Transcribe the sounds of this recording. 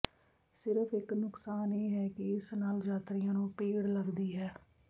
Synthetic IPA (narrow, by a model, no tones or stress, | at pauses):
sɪɾəfʰɪknʊksaːneːɦɛːkɪɪsnaːld͡ʒaːt̪ɾɪjãːnũːpeːɽləɡd̪iːɦɛː